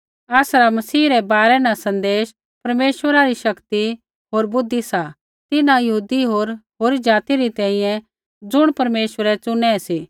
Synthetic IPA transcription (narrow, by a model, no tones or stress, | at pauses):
ɛːsɾamɐsiːɾɛbaːɾɛnasɐ̃nd̪eːʃ | pɐɾmeːʃʋəɾaɾiʃɐkt̪i | ɦoːɾbʊd̪ʱːisa | t̪ɪnãjɐɦuːd̪iɦoːɾɦoːɾid͡ʒaːt̪iɾit̪ɛ̃ːĩjɛ̃ | d͡zʊɽ̃pɐɾmeːʃʋəɾɛt͡sʊnɛsiː